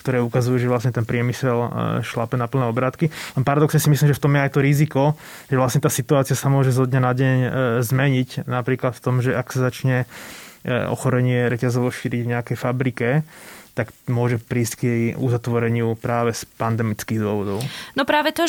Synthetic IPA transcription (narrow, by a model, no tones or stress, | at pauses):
kt̪ɔɾɛːukazujuːʒɛʋlasɲɛt̪ɛnpɾɪɛmisɛlʃlapɛnapl̩nɛɔbɾaːt̪kilɛnpaɾad̪ɔksɲɛsimislimʒɛft̪ɔmjɛajt̪ɔɾizikɔ | ʒɛʋlasɲɛt̪aːsit̪uaːt͡siɪasamʊɔʒɛzɔd̪ɲanaɟɛɲzmɛɲicnapɾiːklat̪ft̪ɔmʒɛaksazat͡ʃɲɛ | ɔ̰xɔɾɛɲɪɛɾɛcazɔʋɔʃiːɾiɟvɲɛakɛjfabɾikɛt̪akmʊɔʒɛpɾiːsckjɛjuzat̪ʋɔɾɛɲɪupɾaːʋɛspand̪ɛmit͡skiːɣd̪ʊɔʋɔd̪ɔʊnɔpɾaːʋɛt̪ɔ